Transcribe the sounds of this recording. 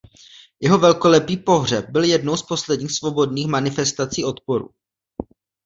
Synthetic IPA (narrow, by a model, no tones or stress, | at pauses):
jɛɦo̞vɛlko̞lɛpiːpo̞ɦr̝ɛp̚bɪljɛdno̞wspo̞slɛdɲiːxsvo̞bo̞dniːxmanɪfɛst̪at͡siːʔo̞t̪po̞ɾṵ